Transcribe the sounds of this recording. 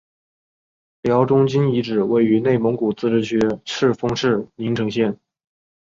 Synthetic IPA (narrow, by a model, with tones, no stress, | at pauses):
ljɑ˧˥ʊʈ͡ʂʊ˥ŋt͡ɕi˥ni˧˥ʈ͡ʂɻ̩˨˩we˥˩ɪy˧˥ne˥˩ɪmɤ˧˥ŋku˨˩t͡sɹ̩˥ʈ͡ʂɻ̩˥˩ɕɥɛ˧˥ʂʰɻ̩˥˩fɤ˥ŋʂɻ̩˥˩ni˧˥ŋʈ͡ʂʰɤ˧˥ŋɕjɛ˥˩n